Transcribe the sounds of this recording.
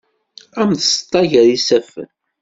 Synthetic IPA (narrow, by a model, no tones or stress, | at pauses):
æmθst̪ˤːɑʝəɾisæfə̰n